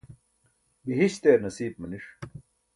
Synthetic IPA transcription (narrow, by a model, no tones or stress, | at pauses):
biɦiɕt̪eːɾnɐsiːb̚mɐniʂ